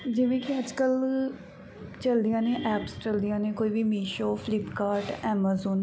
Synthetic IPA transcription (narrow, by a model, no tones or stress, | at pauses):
d͡ʒɪʋẽːkiəd͡ʒkəl | t͡ʃəld̪ɪjãːneːʔɛːpst͡ʃəld̪ijãːnẽːkoːiːʋiːmiːʃoːpʰlɪpkaːɾʈɛːmaːzuːn